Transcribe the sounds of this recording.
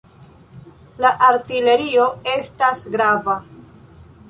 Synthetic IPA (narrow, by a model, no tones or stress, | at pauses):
laʔaɾtile̞ɾio̞e̞stasɡɾava